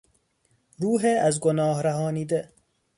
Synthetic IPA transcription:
ɾuːɦeæzɡonɒːhɾæɦɒːniːd̪e

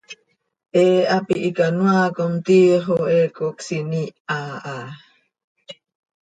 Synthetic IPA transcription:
ʔeapiʔːkanuakumt̪iɦoekuksiniaː

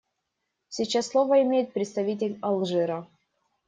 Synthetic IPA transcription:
sʲit͡ɕasːlˠovəɪmʲejɪt̪̚pɾʲɪt̪st̪ɐvʲit̬ʲɪlʲɐlˠʐɨɾɐ

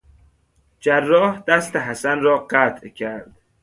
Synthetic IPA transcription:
d͡ʒærːɒːhd̪̥æst̪eɦæsænɾɒːɢæt̪ʰcʰæɾd̪̥

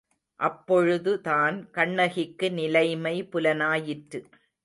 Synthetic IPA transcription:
ʔɐpːɔɻɯðɯt̪aːnkɐɳːɐɣɪkːɯnɪlɐɪmɐɪpʊlɐnaːjɪʈɾɯ

